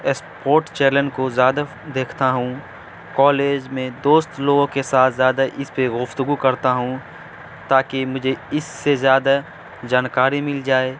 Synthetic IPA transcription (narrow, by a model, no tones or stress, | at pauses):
spoːɾʈt͡ʃeːɾlənkozjaːd̪a | d̪eːkʰt̪aɦũ | kɔːleːd͡ʒmẽd̪oːst̪loːɡõkesaːt̪ʰzjaːd̪aʔɪspeɡʊft̪ʊɡukɐɾt̪aɦũ | t̪aːkemʊd͡ʒʱeɪsːezjaːd̪a | d͡ʒaːnkaːɾimɪld͡ʒaːeː